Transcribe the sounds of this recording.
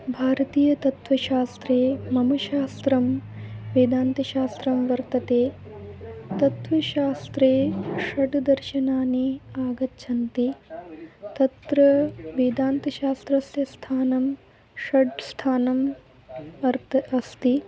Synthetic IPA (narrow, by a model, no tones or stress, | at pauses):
bʱaːɾɐt̪iːjɐt̪ɐt̪ʋɐʃaːst̪ɾeːmɐmɐʃaːst̪ɾɐmʋeːd̪aːnt̪ɐʃaːst̪ɾɐmʋɐɾt̪ɐt̪eː | t̪ɐt̪ʋɐʃaːst̪ɾeːʃɐɖd̪ɐɾʃɐnaːniaːɡɐtːʃʰɐnt̪i | t̪ɐt̪ɾɐʋeːd̪aːnt̪ɐʃaːst̪ɾɐsjɐst̪ʰaːnɐm | ʃɐɖst̪ʰaːnɐm | ɐɾɐst̪i